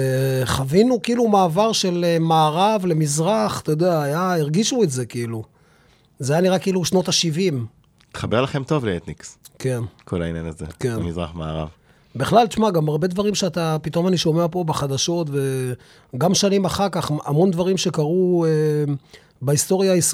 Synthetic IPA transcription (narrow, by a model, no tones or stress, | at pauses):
eχavinukiiːlumaːvaʁʃe̞lemaːʁavle̞mizʁaχt̪ojod̪eaːjaiʁɡiʃuetze̞kiilu | zeajaniʁakeiːluʃno̞t̪aʃivim | it̪χabeʁlaχe̞mt̪o̞vleet̪nikske̞nkʰola̰injanazḛkenmizʁa̰χmaa̰ʁa̰v | beχlalt͡ʃmaɡamaʁbe̞d̪vaʁimʃeat̪apit̪o̞maniʃo̞meapo̞beχad̪aʃo̞t̪ve̞ | ɡamʃanimaχaʁkaχamo̞nd̪vaʁimʃe̞kaʁue | baist̪o̞ʁjais